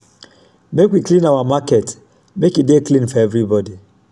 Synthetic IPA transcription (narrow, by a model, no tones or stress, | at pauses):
mekwiklĩnawamakɛt | mekideklĩnfɔɛvɾibɔdi